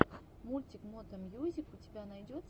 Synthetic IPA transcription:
mulʲtʲɪkmot̪əmjuzʲɪfʊtʲɪbʲanɐjdʲot̪

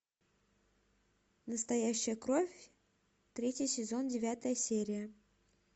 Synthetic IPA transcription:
nəst̪ɐjæɕːɪjəkɾo̞fʲ | t̪ɾʲetʲjəsʲɪzo̞ndʲɪvʲat̪əjəsʲeɾʲɪjə

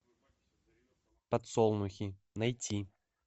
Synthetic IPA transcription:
pɐt̪sɔlˠnʊxʲi | nɐjtʲi

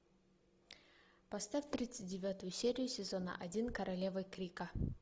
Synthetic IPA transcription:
pɐst̪afʲt̪ɾʲit̪sɨt̚ʲdʲɪvʲat̪ʊjʊsʲeɾʲɪjʊsʲɪzo̞nə̰ʔɐdʲinkɐɾʔɐlʲe̞vɨjkɾʲikə

